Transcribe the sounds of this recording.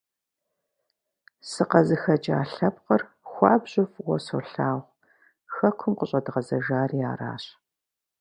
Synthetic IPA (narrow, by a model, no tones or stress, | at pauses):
sɨqɐzɨxɐt͡ʃʼa̰ːɬɐpqər | xʷɑːbʑʊfwɔso̰ɬaːʁʷ | xɐkʷʰʊmqəɕʼɐdʁɐzɐʒaːria̰ːra̰ːɕ